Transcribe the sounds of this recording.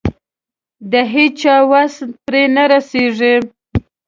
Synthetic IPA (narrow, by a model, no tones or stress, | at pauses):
d̪əɦet͡ʃɑwasnpɾenaɾaseʐi